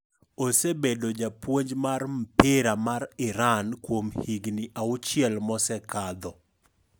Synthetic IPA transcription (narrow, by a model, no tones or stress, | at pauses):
osebedod͡ʒapwoɲd͡ʒmaɾm̩pɪɾamaɾɪɾankwomhiɡniʔaʊt͡ʃɪɛlmɔsɛkad̪ɔ